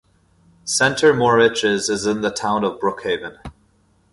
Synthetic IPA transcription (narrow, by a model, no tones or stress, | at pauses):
sɛ̃ntʰə˞mɔɹɪt͡ʃɪzɪzɪ̃nðətʰãʊ̃nəvbɹʊkheɪvə̃n